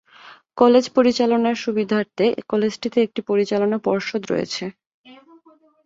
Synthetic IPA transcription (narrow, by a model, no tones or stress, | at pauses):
kɔled͡ʑpoɾit͡ɕalonaɾʃubid̪ʱaɾt̪ekɔled͡ʑʈit̪eek̚ʈipoɾit͡ɕalonapɔɾʃod̪ɾɔ̰jḛt͡ɕʰe